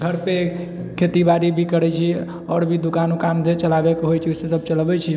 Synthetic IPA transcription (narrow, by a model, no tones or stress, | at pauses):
ɡʱəɾpe | kʰet̪ibaɾibʱikəɾɛt͡ʃʰi | ɔːɾbʱid̪ukanokamd͡ʒ̪ʱet͡ʃəlabekɦojt͡ʃʰisesəb̚t͡ʃəlbɛt͡ʃʰi